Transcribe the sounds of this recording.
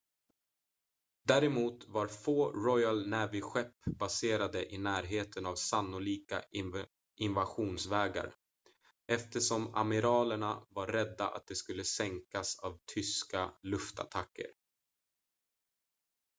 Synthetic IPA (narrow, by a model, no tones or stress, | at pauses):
d̪æːɾɛmuːt̪vaɾfoːɾɔjalnæːvɪɧɛpːb̥aseːɾad̪əʔɪnæːɾɦeːt̪ʰənavsanːʊliːkaɪ | ʔɪnvaɧuːnsvɛːɡa̰ɾ | ɛft̪əʂɔma̰mɪɾɑːləɳavaɾɾɛd̪ːa̰ʔa̰t̪̚d̪ɛskɵlːəsɛŋkasa̰vt̪ʰʏskalɵft̪a̰t̪ʰakːə̰ɾ